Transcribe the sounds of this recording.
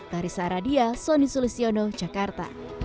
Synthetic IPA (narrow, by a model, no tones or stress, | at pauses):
t̪aɾisaɾadiasonisulisionod͡ʒakart̪a̰